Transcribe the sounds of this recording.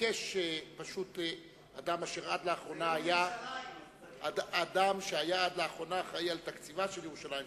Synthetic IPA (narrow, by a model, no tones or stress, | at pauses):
eʃepaʃute | ad̪amaʃeʁad̪leaχʁo̞naaja | daadamʃeajaad̪leaχʁo̞naχaialt̪akt͡sivaʃeljeʁuʃalajim